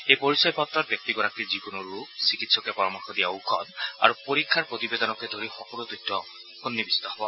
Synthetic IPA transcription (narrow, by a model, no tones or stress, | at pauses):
ejpoɹisɔjpɔtːɹɔt̚bjɔk̚tiɡɔɹakizikunuɹuɡsikitsɔkɛpɔɹɔmɔɹxɔdijaukʰɔda̰ɹupoɹikʰːaɹpɹot̪ibedɔnɔkɛdʱoɹixɔkɔludujtːɔ | kunːibistaxbɔ